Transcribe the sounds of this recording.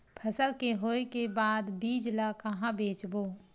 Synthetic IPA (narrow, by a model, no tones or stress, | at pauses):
pʰəsəlkeɦoːekebaːd̪biːd͡ʒlakəɦãbeːt͡ʃboː